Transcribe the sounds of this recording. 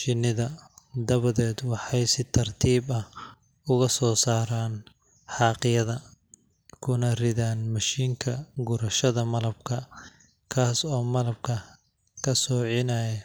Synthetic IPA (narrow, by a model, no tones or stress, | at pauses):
ʃɪnːɪðɐd̪ɐβɐðɛːd̪wɑħɑjsɪt̪ʰɐrt̪ʰiːbɐh | ʊɣɐsɔːsaːɾaːn | ħɑːqɪjɐðɐ | kʰʊnɐrɪðaːnmɐʃiːŋkʰɐɡʊɾɐʃɐðɐmɐlɐb̚kʰɐ | kʰaːsɔːmɐlɐb̚kʰɐ | kʰɐsɔːʕɪnaːjɐ